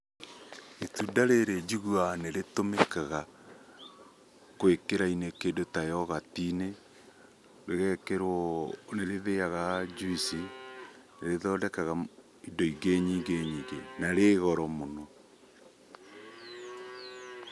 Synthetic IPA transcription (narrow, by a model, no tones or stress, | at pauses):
etudaɾeɾed͡ʒuɣuaneɾetomekaɣa | kwekeɾainekedotajɔɣatine | ɾeɣɛkeɾoneɾeðeaɣad͡ʒuisi | neɾeðɔdɛkaɣa | idɔiɡeɲiːŋɡeɲiːŋɡenaɾeɣɔɾɔmonɔ